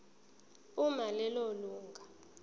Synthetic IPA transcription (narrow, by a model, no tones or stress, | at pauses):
umalɛloluːŋɡʱa